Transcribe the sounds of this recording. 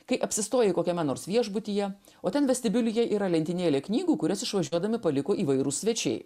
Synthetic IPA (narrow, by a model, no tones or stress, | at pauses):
kɐɪʔɐpʲsʲɪst̪oːjɛɪkoːkʲɛmʲɛnoːɾsʋʲiɛʒbʊt̪ʲiːjɛ | oːt̪ʲɛnʋʲɛsʲt̪ʲɪbʲɪlʲʊjɛʔiːɾɐlʲɛnʲt̪ʲɪnʲeːlʲeːknʲiːɡuːkʊɾʲɪsɪʃʋɐʒʲuɔd̪ɐmʲɪpɐlʲɪkoːʔiːʋɐɪɾuːsʲʋʲɛt͡ʃʲɛ̰ɪ